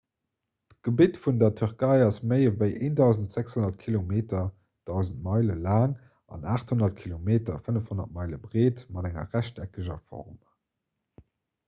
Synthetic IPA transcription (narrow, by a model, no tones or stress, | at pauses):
tɡ̥əbitfundɐtʰyʁkɑɪɑsməɪəvəɪʔeːndɑʊzəntz̥ækshonɐtkʰilomeːtɐ | d̥ɑʊzənt̚mɑɪləlaːŋ | ɑ̰naːχthonɐtkʰilomeːtɐfənəfhonɐ̰t̚mɑɪləbʁeːtmɑdæŋɐ̰ʁæɕtækəʑɐfɔ̰ʁm